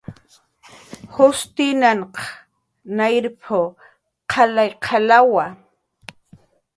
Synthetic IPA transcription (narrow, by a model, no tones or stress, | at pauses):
hʊst̪ɪnaɴqɑ̥ | najɾpʰo | qʰɑlajqʰɑlawa